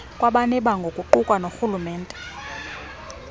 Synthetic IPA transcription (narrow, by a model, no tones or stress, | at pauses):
kʼwaɓanɛɓaŋɡʱokʼuǃukʼwanoxulumɛːntʼɛ